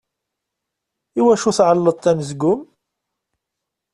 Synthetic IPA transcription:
iwæʃuθʕəlːəd̪̚ˤt̪ːæməzɡʊm

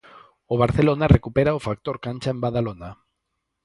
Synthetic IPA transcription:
oβ̞aɾθelonarekupeɾaofak̚t̪oɾkant͡ʃaembaðalona

